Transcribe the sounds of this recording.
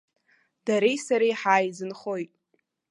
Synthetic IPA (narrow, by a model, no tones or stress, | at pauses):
d̥aɾejsaɾejħaːjzɨnχojtʼ